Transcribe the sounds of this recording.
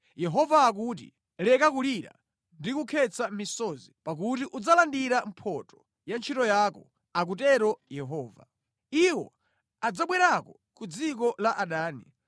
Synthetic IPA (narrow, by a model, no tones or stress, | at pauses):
jɛɦɔvaːk̬uːt̬ḭ | lɛkakuliɾa̰ | ndikukʰɛt͡sʰamisɔzipak̬utiʔud͡zalandiɾam̩pʰɔtɔ̥ | jant͡ʃʰitɔjaːkɔ | ak̬utɛɾɔjɛɦɔːva̰ | iwɔ̰ | ad͡zaɓwɛɾakɔ | kud͡zik̬ɔlaʔaɗaːnḭ